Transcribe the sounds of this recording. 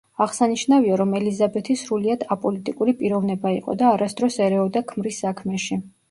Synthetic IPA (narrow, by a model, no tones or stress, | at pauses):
aʁsaniʃnaviaɾɔmɛlizabɛt̪ʰisɾuliad̪apʼɔlit̪ʼikʼuɾipʼiɾɔvnɛbaiqʼɔ̰d̪aːɾasd̪ɾɔsɛɾɛɔd̪akʰmɾisːakʰmɛʃi